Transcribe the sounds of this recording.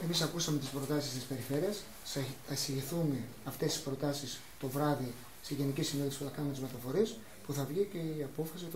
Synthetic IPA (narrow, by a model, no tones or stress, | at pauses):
e̞misɐkusɐme̞t̪ispɾo̞t̪ɐsist̪ispe̞ɾife̞ɾiɐs | θɐisiʝiθume̞ | ɐft̪e̞st̪i̥spɾo̞t̪ɐsis | t̪o̞vɾɐði | seʝe̞nicisineðifsi̥puθɐkɐnumet̪izmet̪ɐfo̞ɾies | puθɐvʝice̞iɐpo̞fɐsit̪